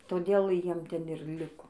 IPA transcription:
toːˈdʲeːlˠ ˈjiɛm ˈtʲɛn ɪr ˈlʲɪkoː

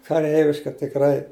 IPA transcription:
kɐˈrʲɛɪʋʲɪʃkɐ tʲɪkˈrɐɪ

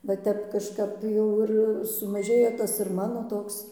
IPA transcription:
ʋɐ ˈtʲɛp kɐʃˈkɐp ˈjɛʊ ɪr sʊmɐˈʒʲeːjɛ ˈtɐs ɪr ˈmɑːnoː ˈtoːks

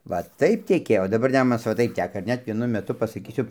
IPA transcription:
ˈʋɐ ˈtɐɪp tʲɛˈkʲeːjoː oː dɐˈbɐr ˈnʲæːmʊnɐs ˈʋɐ ˈtɐɪp ˈtʲæːkɐ ɪr ˈnʲɛt ʋʲiɛˈnʊ mʲɛˈtʊ pɐsɐˈkʲiːsʲʊ

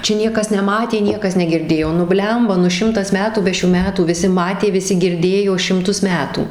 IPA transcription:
ˈt͡ʃʲɛ ˈnʲiɛkɐs nʲɛˈmɑːtʲeː ˈnʲiɛkɐs nʲɛɡʲɪrʲˈdʲeːjoː nʊ ˈbʲlʲɛmbɐ nʊ ˈʃʲɪmtɐs ˈmʲæːtuː ˈbʲɛ ʃʲuː ˈmʲæːtuː ʋʲɪˈsʲɪ ˈmɑːtʲeː ʋʲɪˈsʲɪ ɡʲɪrʲˈdʲeːjoː ʃʲɪmˈtʊs ˈmʲæːtuː

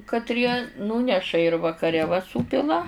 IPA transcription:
kɐtʲˈrʲiɛ ˈnuːnʲɛʃɐ ɪr ʋɐkɐˈrʲɛ ʋɐ ˈsuːpʲɪlˠɐ

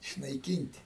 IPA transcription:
ɪʃnɐɪˈkʲiːnʲtʲ

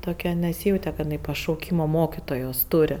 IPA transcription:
toːˈkʲɛ nʲɛˈsʲiːjɛʊtʲɛ kɐt jɪˈnɐɪ pɐʃɐʊˈkʲiːmoː ˈmoːkʲɪtoːjoːs ˈtʊrʲɪ

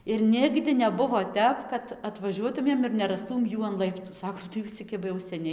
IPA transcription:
ɪr ˈnʲɪɡdʲɪ nʲɛˈbʊʋoː ˈtʲɛp kɐt ɐtʋɐˈʒʲuɔtʊmʲeːm ɪr nʲɛrɐsˈtuːm ˈjuː ɐn ˈlˠɐɪptʊ ˈsɑːkoːm tɐɪ ˈjuːs t͡sʲɛ ˈkʲɪbɐ jɛʊ ˈsʲæːnʲɛɪ

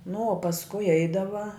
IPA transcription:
nʊ oː pɐsˈkʊɪ ˈɛɪdɐʋɐ

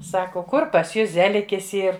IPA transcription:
ˈsɑːkoː ˈkʊr pɐs ˈjʊs ˈzʲæːlʲɪkʲɪs ˈiːr

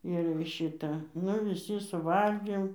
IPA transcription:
ɪr ˈʃʲɪtɐ ˈnʊ ʋʲɪˈsʲɪ sʊˈʋɐlʲɡʲeːm

